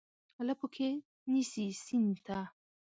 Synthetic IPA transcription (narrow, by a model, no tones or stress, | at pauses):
alapokʰe | nisisint̪ʰa